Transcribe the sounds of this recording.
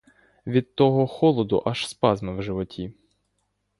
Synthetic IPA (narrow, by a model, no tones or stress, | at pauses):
ʋʲid̪̚t̪ɔɦɔxɔlˠɔd̪ʊ̰ʔɐʃspɑzmɐwʒɪʋɔtʲi